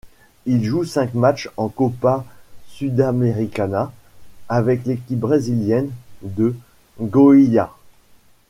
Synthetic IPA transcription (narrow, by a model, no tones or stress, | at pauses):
ilʒusɛ̃kmat͡ʃɑ̃kɔpasyd̪ameʁikʲanaː | vɛklekʲip̚bʁeziljɛnd̪ə | ɡɔija